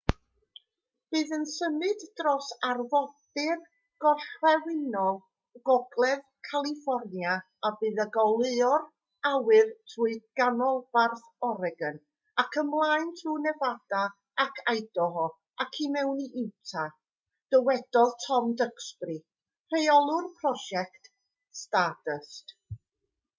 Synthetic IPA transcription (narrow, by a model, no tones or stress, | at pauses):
b̥ɨːðənsəmɨddrɔsarvɔdɨr | ɡ̥ɔɬwɛwɪnɔðˠ | ɡ̥ɔɡlˠɛðkʰalˠifɔrnja | abɨːðəɡɔlˠɨɔr | awɨrtʰuɨɡ̥anɔlˠv̥arθ | ɔɾɛɡən | akʰəmlˠaɨntʰrunɛvada | akʰajdɔɦɔ | akʰimɛwniʔɪwtʰa | d̥əwɛd̥ɔlˠtʰɔmdəkspri | r̥ejɔlˠʊrpʰrɔʃɛkt | stadəst